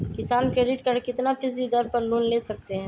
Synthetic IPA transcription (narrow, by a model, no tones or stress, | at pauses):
kɪsaːnkɾeːɖɪʈkɐɾkɪt̪napʰɪsd̪id̪ɐɾpɐɾluːnleːsɐk̚t̪eɦɛ̃ː